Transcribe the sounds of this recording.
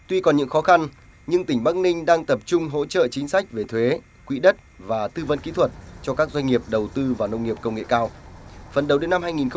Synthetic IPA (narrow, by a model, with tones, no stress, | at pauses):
t̪wi˧kɔ˨˩nɲɨ̰˧˥ŋxɔ˨˦xa˧n | ɲɨ˧ŋt̪ï˩ŋ̟ɓaː˦˥k̚nï˧ŋ̟ɗaː˧ŋt̪ə˨˩p̚t͡ɕʊ˧ŋ͡mɦo̰˧˥t͡ɕə̰˧˨t͡ɕï˨˦ŋ̟sa˦˥jk̟̚ve˨˩t̪ʰwe˨˦ | kwḭ˧˥ɗə˦˥t̚vaː˨˩t̪ɨ˧və̰˧˥nkḭ˧˥t̪ʰwə˨˩t̚t͡ɕɔ˧kaː˦˥k̚zwa˧jŋ̟ŋi˨˩əp̚ɗə˨˩wt̪ɨ˧vaː˨˩wnə˧wŋ͡mŋi˨˩əp̚kə˧wŋ͡mŋḛ˧˨kaː˧wfə˨˩nɗə˨˩wɗe˨˦na˧mhaː˧jŋi˨˩nxə˧